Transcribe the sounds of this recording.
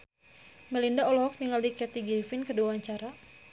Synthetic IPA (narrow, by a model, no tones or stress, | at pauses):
mɛlindaɔlɔɔk̚niŋaldikɛt̪iɡifinkəduwaɲt͡ʃaɾa